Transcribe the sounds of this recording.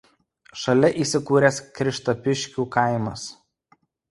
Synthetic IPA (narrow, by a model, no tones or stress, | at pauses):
ʃɐlʲɛʔiːˑsʲɪkuːɾʲeːskɾʲɪʃt̪ɐpʲɪʃʲkʲuːkɐɪmɐs